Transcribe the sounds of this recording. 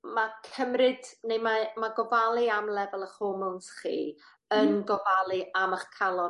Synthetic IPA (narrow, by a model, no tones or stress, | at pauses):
makʰəmrɨd̥nejmamaɡɔvalˠɨamlɛvɛlˠəχoːmɔnsχḭː | ənɡɔvalˠɨʔamaχkʰalˠɔ